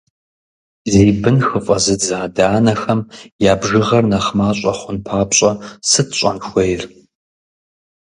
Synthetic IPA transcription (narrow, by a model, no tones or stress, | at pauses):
zeːbɨnxɨfʼɐzɨd͡zaːdaːnɐxɐmjaːbʒɨʁɐrnɐχmaːɕʼɐχʷʊnpʰaːpɕʼɐsɨtʰɕʼɐ̰nxʷejr